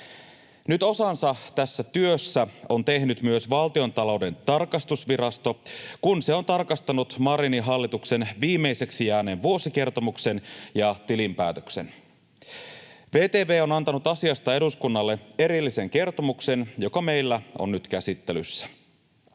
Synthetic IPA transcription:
nyt̪o̞sɑnsɑt̪æsːæt̪yøsːæo̞nt̪e̞hnyt̪myøsʋɑlt̪io̞nt̪ɑlo̞wde̞nt̪ɑrkɑst̪usʋiɾɑst̪o̞kunse̞o̞nt̪ɑrkɑst̪ɑnut̪mɑɾiniɦɑlːit̪uksenʋiːmːe̞ise̞ksijæːneːnʋuo̞sik̟e̞rt̪o̞mukse̞njɑt̪ilimpæːt̪ø̥kse̞̰n | ʋe̞ːt̪eːʋe̞ːo̞nɑnt̪ɑnut̪ɑsiɑst̪ɑe̞ɾuskunːɑlːe̞e̞ɾilːise̞ŋk̟e̞rt̪o̞mukse̞njo̞kɑme̞jlːæo̞̰nnyt̪k̟æsit̪ːelysːæ̥

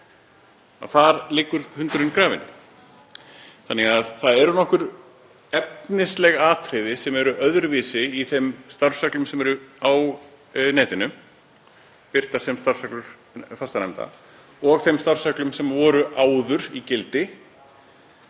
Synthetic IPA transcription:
a̰θaɾlɪːkːʏɾ̥hʏnt̪ɾɪnkɾaːvɪ̰n | θanːɛɣaðθaðɛɾʏnɔhkʏɾ | ɛp̚nɪslɛɣaːt̪ʰɾɪðɪsɛmɛɾʏʔœðɾvɪːsɪiθɛmst̪aɾfsœklʏmsɛmɛɾʏaw | nɛːt̪ɪnʏm | pɪɾ̥t̪aɾ̥sɛmst̪aɾv̥sœklʏɾ̥ | fast̪anɛmt̪a̰ | ɔɣθemst̪aɾv̥sœklʏmsɛmvɔːɾʏʔaːwðʏɾicɪlt̪ɪ

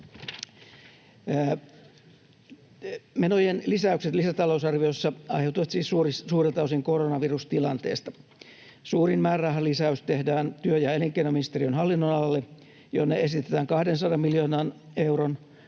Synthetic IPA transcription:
menojenlisæykset̪lisæt̪ɑlousɑrʋiosːɑɑ̰jhewt̪uʋɑt̪siːsurssuːret̪ɑusiŋkoronɑʋirust̪ilɑnt̪ḛːst̪ɑ̥ | suːrinmæːrɑɦɑlisæyst̪ehdæːnt̪yøjɑeliŋkenominist̪erionɦɑlːinːonɑlɑlːe | jo̰nːeesit̪et̪æːŋkɑhdensɑdɑmmiljoːnɑːn | e̞wron

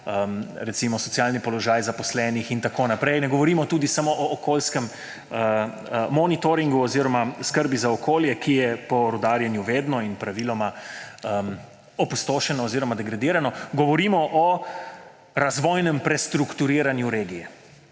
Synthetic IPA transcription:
əmɾɛt̪simɔsɔt̪sijalnipɔlɔʒaːjzapɔslɛːnixint̪akoːnapɾɛjnɛɡɔʋɔɾiːmɔt̪uːd̪isamoʔɔːkoːlskɛm | ə | mɔnit̪oɾiŋɡuɔziɾɔmaskəɾbizaɔkʰoːljɛkijɛpɔɾɔd̪aːɾjɛnjuʋeːd̪nɔinpɾaʋilɔmaəm | ɔpust̪oːʃɛnɔːziːɾɔmad̪ɛɡɾad̪iːɾanɔɡɔʋɔɾiːmɔʔɔ | ɾazʋɔːjnɛmpɾɛst̪ɾukt̪uɾiːɾanjuɾeːɡijɛ

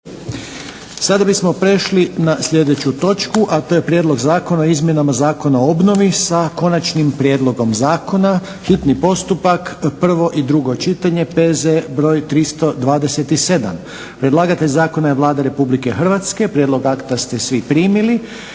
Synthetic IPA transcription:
sad̪abismo̞pɾe̞ʃlinasʎʲe̞d̪e̞t͡ɕut̪o̞t͡ʃkuʔat̪o̞ːje̞pɾʲje̞d̪lo̞ɡzaːko̞naoizmje̞namazaːko̞naoobno̞ʋisako̞nat͡ʃnimpɾje̞d̪lˠo̞ɡo̞mzaːko̞na | xit̪nipo̞st̪upakpr̩ʋo̞ʔid̪ɾuɡo̞t͡ʃit̪aɲe̞pezebɾo̞ːjt̪ɾist̪o̞d̪ʋaːd̪e̞se̞t̪ise̞d̪a̰m | pɾed̪lˠaːɡat̪eʎʲzaːko̞najeʋlˠaːd̪aɾe̞publike̞xrʋat̪ske̞pɾje̞d̪lo̞ɡakt̪ast̪e̞sʋipɾiːmili

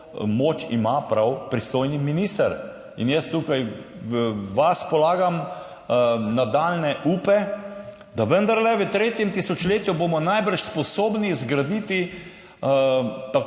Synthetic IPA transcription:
moːt͡ʃḭmapɾawpɾist̪oːjniminist̪əɾ | ḭnjəst̪ukaj | ʋaspɔlaːɡam | nad̪aːlnɛʔuːpɛ | d̪aʋənd̪ɐɾlɛʋət̪ɾeːt̪jɛmt̪isɔt͡ʃleːt̪juboːmɔnajbəɾʃspɔsoːbnizɡɾad̪it̪i | t̪a

